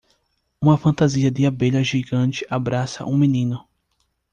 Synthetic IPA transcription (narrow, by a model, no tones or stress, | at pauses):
ũmɐfɐ̃nt̪aziɐd̪ɪabeʎɐʒiɡɐ̃t͡ʃ̪ɪ̥ʔabɾasɐ̰ʔũmĩnĩnʊ